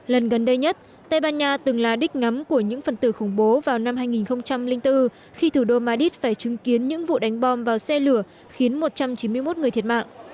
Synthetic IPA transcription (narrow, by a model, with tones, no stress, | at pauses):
lə˨˩nɣə˨˩nɗə˧jɲə˦˥t̚ | t̪ə˧jɓaː˧nɲaː˧t̪ɨ˨˩ŋlaː˨˩ɗï˦˥k̟̚ŋa˨˦mku˧˩əɲɨ̰˧˥ŋfə˨˩nt̪ɨ˧˩xʊ˧˩ŋ͡mɓo˨˦vaː˨˩wna˧mhaː˧jŋi˨˩nxə˧wŋ͡mt͡ɕa˧mlï˧ŋ̟t̪ɨ˧ | xi˧t̪ʰu˧˩ɗo˧maː˧ɗi˦˥t̚faː˧˩jt͡ɕɨ˨˦ŋki˨˦ənɲɨ̰˧˥ŋvṵ˧˨ɗa˨˦jŋ̟ɓɔ˧mvaː˨˩wsɛ˧lɨ˧˩ə | xi˨˦ənmo˨˩t̚t͡ɕa˧mt͡ɕi˨˦nmɨ˧əjmo˦˥t̚ŋ˨˩ət̪ʰət̚ma̰ː˧˨ŋʔ